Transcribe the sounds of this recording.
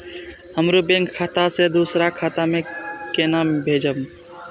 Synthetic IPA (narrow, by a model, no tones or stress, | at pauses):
əmɾubẽŋkʰːaːt̪ased̪uːsɾakʰaːt̪amẽ | kenaːmbʱeːd͡ʒəb